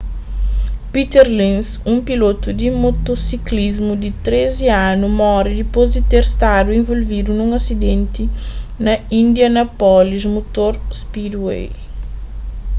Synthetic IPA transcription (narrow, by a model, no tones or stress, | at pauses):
pit̪eɾlĩns | ũmpilot̪ud̪imot̪osiklizmud̪it̪ɾeziãnumɔɾid̪ipozd̪it̪eɾst̪ad̪uẽvolvid̪unũŋɐsid̪ẽnt̪inɐĩnd̪jɐnɐpɔlizmot̪oɾspid̪wḛ